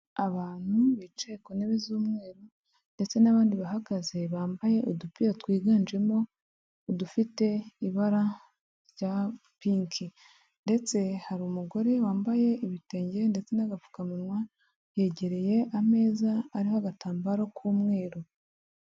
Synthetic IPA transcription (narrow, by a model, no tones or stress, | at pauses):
aβaːn̥huβit͡ʃe̞koneβezuːmŋe̞ːɾo | nde̞t͡se̞naβaːndiβaɦaɡaze̞βaːmbaje̞ʔodupijatwiːɡaːnd͡ʒe̞mo̞ː | dufite̞iβaɾa | ɾɟapiːŋkʰi | nde̞t͡se̞haɾumuɡo̞ɾe̞waːmbaje̞ʔiβite̞ːɲɟeende̞t͡se̞naɡafu̥kaminwa | je̞ɟe̞ɾe̞je̞ʔame̞ːzaːɾihoaɡataːmbaɾokʰuːmŋe̞ːɾo